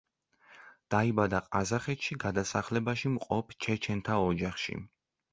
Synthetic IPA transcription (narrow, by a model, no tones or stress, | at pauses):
d̪̥aibad̪aqʼazaχɛt̪ʃiɡad̪asaχlɛbaʃimqʼɔpʰt͡ʃʰɛt͡ʃʰɛnt̪ʰaɔd͡ʒaχʃḭ